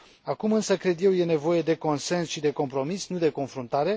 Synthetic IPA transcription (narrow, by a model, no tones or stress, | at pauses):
akumɨnsəkɾe̞d̪je̞wje̞ne̞vo̞je̞d̪e̞ko̞nse̞nsʃid̪e̞ko̞mpɾo̞misnud̪e̞ko̞nfɾunt̪aɾe̞